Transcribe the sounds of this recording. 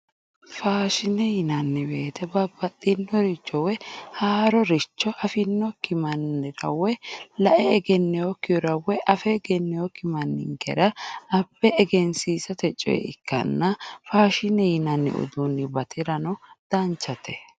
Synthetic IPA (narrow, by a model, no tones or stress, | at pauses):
faːʃɪnɛjɪnɐnːɪbeːt̪ɛbɐbːɐt̪ʼːɪnːɔɾɪt͡ʃʼːɔwɛhaːɾɔɾɪt͡ʃːɔʔɐfɪnːɔkɪmɐnːɪɾɐ̰wːɛlɐʔɛːɡɛnːɛjɔkːɪjɔɾɐwːɛʔɐfɛɡɛnːɛjɔkɪmɐnːɪ̰ŋkɛ̰ɾɐɐb̥ːɛːɡɛnsiːsɐt̪ɛt͡ʃʼɔ̰jɛ̰ɪkːɐ̰nːɐfaːʃɪnɛjɪnɐnːɪ̰ʔʊ̰d̪unːɪbɐt̪ʰɪɾɐnɔd̪̥ɐnt͡ʃːɐt̪ʰɛ